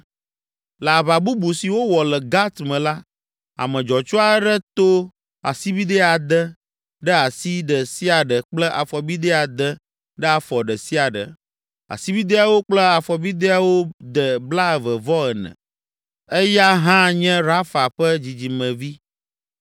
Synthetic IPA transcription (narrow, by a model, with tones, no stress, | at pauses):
la˨βa˨bu˦bu˨si˨wo˦wɔ˨lɛ˨ɡa˦t̪mɛ̃˨la˦ | a̰˨mə̃˨d͡ʒɔ˨t͡ʃɔ˦a˦ɖə˦t̪o˦ | a̰˨si˦bi˦d̪ɛ˦a˨d̪ə˦ | ɖə˦a˨si˦ɖə˨si˦a˨ɖə˨k͡plə˦ʔa˨fɔ˨bi˦d̪ɛ˦a˨d̪ə˦ | ɖɛ˦a˨fɔ˨ɖə˨si˦a˨ɖə̰˨ | a̰˨si˦bi˦d̪e˦a˨wo˦k͡plə˦a˨fɔ˨bi˦d̪e˦a˨wo˦d̪ə˨bla˦˨və˨vɔ˦ɛ˨nɛ̰̃˨ | ɛ˦ja˦ɦã˦ɲɛ̃˦ɾa˦fa˨ɸə˦d͡ʑi˨d͡ʑi˨mə̃˨vi˦